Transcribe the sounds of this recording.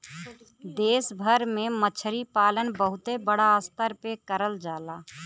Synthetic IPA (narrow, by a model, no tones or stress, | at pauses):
d̪eːsbʱəɾmẽmət͡ʃʰəɾipaːlənbəɦʊt̪ebəɽaəst̪əɾpekəɾəld͡ʒaːlaː